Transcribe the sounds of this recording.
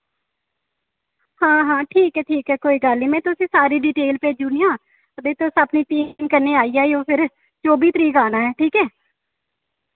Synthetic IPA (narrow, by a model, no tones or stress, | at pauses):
hãːɦãːʈʰiːkɛːʈʰiːkɛːkoːiːɡəlniːmɛ̃ːt̪ʊsĩːsaːɾiːɖiːʈeːlpeːd͡ʒuːniːãː | əd̪eːt̪ʊsaːpniːt̪iːmkəɾneːaːiːaːiõːpʰɪɾ | t͡ʃoːbiːt̪əɾiːkaːnaːɦɛːʈʰiːkɛː